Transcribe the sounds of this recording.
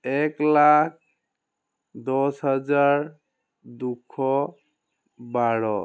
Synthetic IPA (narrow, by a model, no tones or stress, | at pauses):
ɛklak̚ʰ | d̪ɔsɦad͡ʒaɹ | dukʰːɔ | baɹɔ